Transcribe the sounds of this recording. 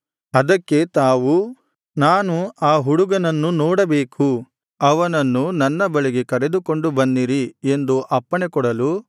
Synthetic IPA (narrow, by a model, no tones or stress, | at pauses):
ɐd̪ɐkːe̞t̪aːʋu | naːnuaːɦuɽuɡɐnɐnːunɔːɽɐbeːkʰu | ɐʋɐnɐnːunɐnːɐbɐɭiɡe̞kɐɾe̞d̪uko̞ɳɖubɐnːiɾie̞nd̪uʔɐpːɐɳekɔɽɐlu